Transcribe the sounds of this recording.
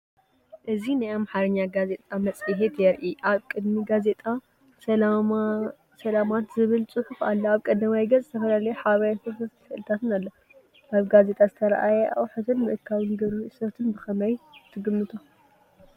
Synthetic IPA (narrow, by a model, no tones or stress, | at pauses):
ʔɨzinajamħaɾɨɲːaɡaze̞t̪ʼamɐt͡sʼiɦet̪jɛɾʔiʔaβkʼɨd̪miɡaze̞t̪ʼa | ɐ | sɐlamat̪zɨβɨlt͡sʼɨħufalːoaβkʼɐd̪ɐmajɡɐzzɨt̪ʰɐfɐlalɐjeħaβɐjasɐɾt̪ɐt̪ʰfɨʔlɨt̪ʰat̪ɨnalːo | ʔaβɡaze̞t̪ʼazɨt̪ʰɐɾɐ̰ʔajɛʔa̰wħɨt̪ʰɨnmɨʔɨkʰːawɨnɡɐɾusɐɾt̪ʰɨnbɨxɐmɐjt̪ʰɨɡɨmːɨt̪ʰo